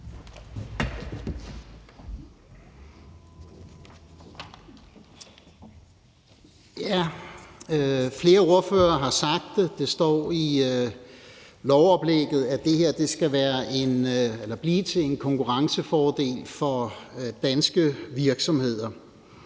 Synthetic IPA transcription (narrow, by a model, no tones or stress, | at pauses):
jæ | fle̝ːɐo̝ɐføːɐːɦɑ̈sɑ̈ɡ̥̚d̥d̥e̝sd̥ɒ̰ːi | lɒʊɒ̽b̥leɡ̥ð̩ˠæd̥e̝he̝ɐ̰d̥e̝sɡ̥æʋæːɐʔe̝nelɐb̥liːt͡sʰe̝le̝nkʰɒ̽ŋkʰuʁɑ̈ŋsəfɒːd̥e̝̰ːlfɒ̽d̥ænsɡ̥əʋiɐɡ̥sɒ̽mhe̝ð̞̰ˠɐ